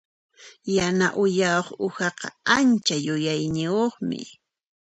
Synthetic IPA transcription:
janaʔʊjaoχʊxɑqɑant͡ʃajʊjajnɪjoχmɪ̰

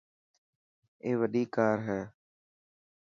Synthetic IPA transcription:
eːʋəɗiːkaːɾɦɛ̃ː

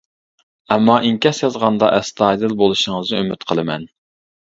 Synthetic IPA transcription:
ɛmːɑʔiŋkʲɛsjɑzʁɑnd̪ɑ̰ʔɛst̪ɑjd̪ɨlˠbolˠuʃɪŋəznɨømyt̪qʰəlˠɨmɛ̰n

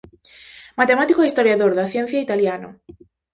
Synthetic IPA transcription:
mat̪emat̪ikoist̪oɾjaðoɾðɐθjɛn̟θjait̪aljano̰

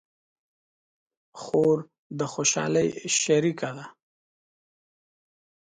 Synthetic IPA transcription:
xoɾ | d̪əxoʃɑ̰ləjʃaɾikad̪a

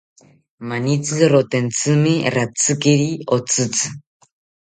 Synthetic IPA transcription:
manit͡sɨɾɔt̪ɛnt͡sɨmeɾat͡sɨkeɾiɔt͡sɨt͡sɨ̥

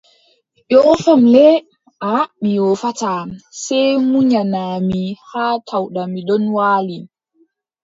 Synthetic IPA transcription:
ʔɔːfamlɛ | ʔaaɓːiwɔfatasɛjmuɲanamihaːtʰawɗamiɗɔnwaːli

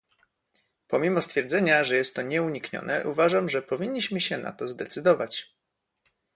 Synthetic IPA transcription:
pɔmʲimɔst̪fʲjɛɾd̪zɛɲaʐɛjɛst̪ːɔɲɛuɲikɲɔ̰nɛ̰ʔuvaʐamʐɛpɔvʲiɲːiɕmɘɕɛna̰t̪ɔzd̪ɛt̪sɘd̪ɔvat͡ɕ

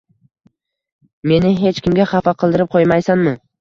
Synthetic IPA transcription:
me̞nɪɦe̞t͡ʃkʲɪmɡʲaχɑfaqʰɨlˠd̪ɪɾɪp̚qʰojmajsanmɪ

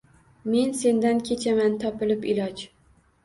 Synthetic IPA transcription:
me̞nse̞nd̪ankʲʰe̞t͡ʃʰamant̪ʰɒpɪlɪpɪlɒd͡ʒ

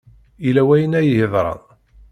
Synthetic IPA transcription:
ilæwæjənæjəhəðˤɾˤɑ̰ð

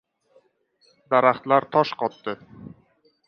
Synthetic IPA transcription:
d̪aɾaχt̪laɾt̪ʰɒʃqʰɒt̪ːɪ

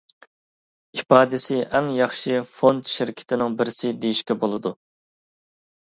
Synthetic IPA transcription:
ipɑːd̪ɪsɪʔɛŋjɑχʃɨfond̪ʃɪɾkʲʰɪ̥t̪ʰɪnɪŋbɪɾɪsɪd̪ejiʃkʲɛbolˠɨd̪u

